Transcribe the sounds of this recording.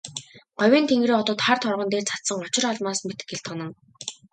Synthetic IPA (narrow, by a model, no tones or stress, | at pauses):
ɢ̥ɔwʲiːnt̪ʰeŋɡreːɔt̪ɔːt̪χart̪χɔrʁɞ̆nt̪eːrt͡sʰḁt̪sə̆ŋɔt͡ɕɪ̆raɮmaːsmet̪ɘ̥̆kɡeɬt̪ʰɔnɞ̆ŋ